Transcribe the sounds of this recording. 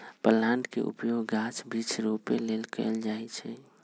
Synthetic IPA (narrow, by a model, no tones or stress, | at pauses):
pəlːaɳɖkḛʔṵpjoɡːat͡ʃbit͡ʃʰɾopelelkɛ̰ɪld͡ʒaːɛt͡ʃʰɛ